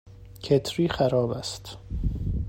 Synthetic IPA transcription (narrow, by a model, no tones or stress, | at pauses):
kʰet̪ʰɾiːxæɾɒːbæst̪